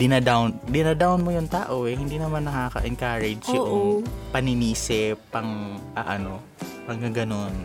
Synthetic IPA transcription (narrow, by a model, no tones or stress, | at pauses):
d̪ɪnɐd̪awnd̪ɪnɐd̪awnmojʊŋt̪aːʔo̞ʔɛhɪnd̪iːnɐmanːɐkaːkɐ̰ʔɛnkaɹɛd͡ʒopɐnɪniːsɛpɐŋʔɐʔɐno̞ | hɐŋɡɐŋɡɐno̞n